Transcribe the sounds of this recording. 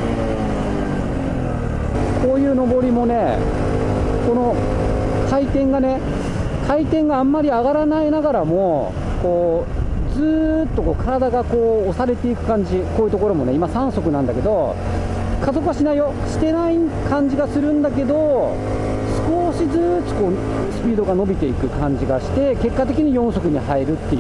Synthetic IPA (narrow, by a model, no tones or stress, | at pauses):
kʰo̞ːjɯ̟ːno̞bo̞ɾʲimo̞ne̞ | ko̞no̞ | kʰait̪ẽ̞ŋɡane̞ | kʰait̪ẽ̞ŋɡãːmːaɾʲiaɡaɾanainaɡaɾamo̞ | ko̞ː | d͡zɨːt̪ːo̞ko̞ːkʰaɾad̪aɡako̞ːsaɾe̞t̪e̞ikɯ̟̥kãɲ̟d͡ʑikoːjɯ̟t̪o̞ko̞ɾo̞mo̞ne̞imasãɰ̃so̞kɯ̟nãnd̪ake̞d̪o̞ | kazo̞kɯβaɕinaijo̞ | ɕi̥t̪e̞naikʰãɲ̟d͡ʑiɡasɨɾɯ̟̃nd̪ake̞d̪o̞ | sɨ̥ko̞ɕizɨːto̥ko̞ː | sɨ̥pʲiːd̪o̞ɡano̞bʲit̪e̞ikɯ̟kãɲ̟d͡ʑiɡaɕi̥t̪e̞ke̞kːat̪̬e̞kʲiɲ̟ijõ̞ɰ̃so̞kɯ̟ɲ̟ihaiɾɯ̟t̪ːe̞